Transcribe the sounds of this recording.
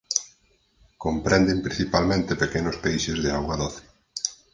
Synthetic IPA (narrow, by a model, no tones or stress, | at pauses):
kompɾɛnd̪ɪmpɾĩn̟θipalmẽnt̪ɪpekenʊspejʃɪzðeaɣwaðɔθi̥